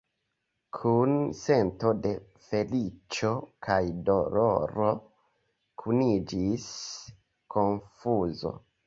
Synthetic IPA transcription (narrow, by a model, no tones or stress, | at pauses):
kʰunse̞nto̞de̞ | fe̞lit͡ʃo̞kʰajdo̞loɾo̞ | kʰunid͡ʒis | kʰo̞nfuzo̞̰